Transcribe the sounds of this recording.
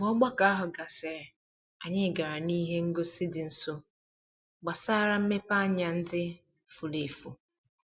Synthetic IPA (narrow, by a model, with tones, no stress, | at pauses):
ŋɔ˦ɡ͡ba˦ka˦a˦ɦʊ˨ɡa˨sɛ˨ɾ | a˨ɲɪ˦˨ɡa˨ɾa˨ni˦ɦe˦ŋ̩˦ɡo˦sɪ˦dɪ˨n̩˨so˦ | ɡ͡ba˨sa˦˨ɾa˦m̩˦me˦pa˦ɲa˨n̩˦dɪ˦ | fu˨le˨fu˨